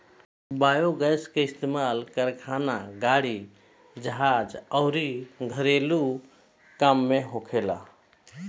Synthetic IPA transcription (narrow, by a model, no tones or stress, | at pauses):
bajoɡəjskeɪst̪emalkəɾkʰanaɡaɽi | d͡ʒəɦad͡ʒəʊɾiɡʱəɾelu | kamːeɦokʰela̰